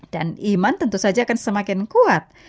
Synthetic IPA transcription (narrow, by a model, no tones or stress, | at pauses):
d̥animant̪ənt̪usad͡ʒaːkansəmakɪnkuat̪̚